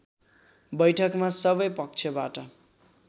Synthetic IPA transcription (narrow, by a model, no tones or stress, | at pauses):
bʌjʈʰʌkmasʌbʌjpʌk̚t͡sʰʌbaʈʌ